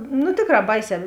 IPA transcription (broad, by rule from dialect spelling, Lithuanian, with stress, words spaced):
nʊ ˈtʲeːkˌrɑː ˈbɐɪˌsʲɛː